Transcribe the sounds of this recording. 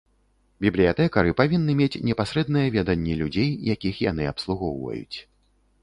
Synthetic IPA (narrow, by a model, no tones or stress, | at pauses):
bʲiblʲijat̪ɛkɐɾɨpavʲinːɨmʲet͡sʲnʲɛpasɾɛd̪̚nɨjɐvʲɛd̪ɐnʲːɛlʲud͡zʲejjakʲixja̰nɨapslˠuɣɔwvɐ̰jṵt͡sʲ